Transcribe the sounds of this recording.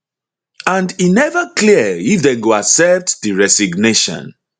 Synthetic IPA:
ãndinɛvəkliəifðɛ̃nɡoaksɛp̚tdiɹɛsiɡneʃɔ̰̃n

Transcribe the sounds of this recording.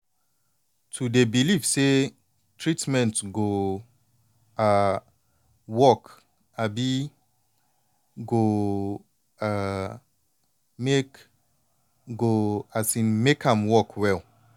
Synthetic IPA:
tʰudebilifse | tʰɹitmɛ̃ntɡo | a | wɔk | abi | ɡo | a | mek | ɡoasĩnmekʰãmwɔkʰwɛl

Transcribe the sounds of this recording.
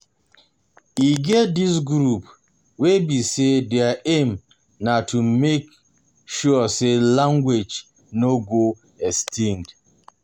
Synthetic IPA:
iɡɛt̚dis̬ɡɾup | webisedɛaem | natʰumek | ʃuaselaŋɡwed͡ʒ | noɡo | ɛstʰĩŋd

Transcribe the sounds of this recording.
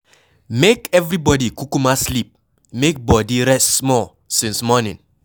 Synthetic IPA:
mekɛvɹibɔdikukumaslip̚ | mek̚bɔdiɾɛssmɔl | sĩnsmɔnɪ̰̃n

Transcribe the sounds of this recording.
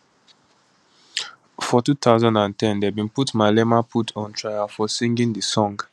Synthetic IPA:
fɔtutʰaʊzãndãntɛ̃ndɛbĩnputmalɛmapʰutʰɔ̃ntʰɹajafɔsĩŋɡĩŋdəsɔ̃ŋɡ

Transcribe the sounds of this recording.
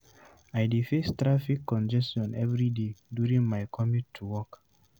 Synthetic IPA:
ajdefestɹafikʰːɔ̃nd͡ʒɛstɔ̃nɛvɹidedjuɹĩŋmaɪkʰɔmik̚tʰːuwɔk

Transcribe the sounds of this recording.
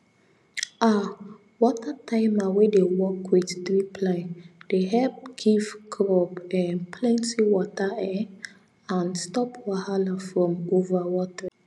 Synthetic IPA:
a | wɔtatʰãɪ̃mawedewɔkʰwidtɹipʰlãɪnd̥eɦɛlp̚ɡ̥ivɡɾɔpɛ̃npʰlɛ̃ntiwɔtaɛ | ãnstɔpʰwahalafɹɔ̃movawɔta

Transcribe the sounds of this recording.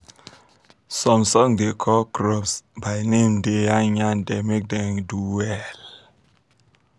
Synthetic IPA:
sɔmsɔŋdekʰɔkɾɔpsbajnemdeaɲandɛmek̚dɛŋduɛl

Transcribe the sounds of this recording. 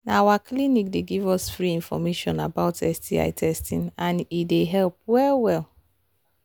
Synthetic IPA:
naawaklinikdeɡivɔsfɾiĩnfɔ̰meʃɔ̰̃nabaʊtʰɛstia̰ɪtʰɛstĩnãnideɦɛlp̚wɛwɛl

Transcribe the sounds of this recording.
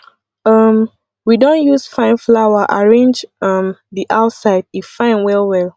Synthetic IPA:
ʌm | widõnjusfãɪ̃nflawaʔaɹẽnd͡ʒʌmðiʔaʊtsaɪd̚ifãɪ̃nwɛlwɛl

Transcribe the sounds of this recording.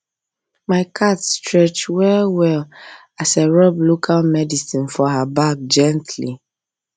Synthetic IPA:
maɪkʰatstɹɛt͡ʃwɛwɛl | aseɹɔblokʰalmɛdisĩnfɔhabak̚d͡ʒɛ̃ntʰli

